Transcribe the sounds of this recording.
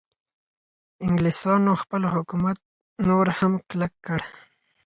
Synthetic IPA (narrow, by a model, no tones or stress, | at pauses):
ɪŋɡlisɑnoxpəlhʊkumat̪̚ | noɾhamklakːəɽ